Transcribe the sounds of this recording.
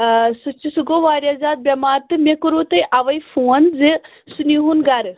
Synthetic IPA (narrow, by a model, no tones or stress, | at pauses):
sut͡ʃːisuɡoʋaːɾʲjazaːd̪̚bʲɐmaːɾt̪ɨmekuɾut̪ɐjʔɐʋɐjfuːɐnzɨ | suniɦunɡɐɾ